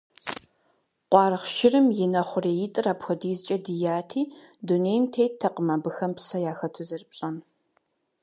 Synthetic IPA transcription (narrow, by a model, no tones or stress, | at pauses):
qʷɑːrɨχʃɪrɨmjɪnɐχʷʊreːjɪtʼɨraːpxʷɔdiːzɨt͡ʃʼɐdɨjaːtʰiːduneːjmtʰejtʰɐqəmɐbɨxɐmpsɐjaːxɐtʰʊzɨrɨpʼɕʼɐn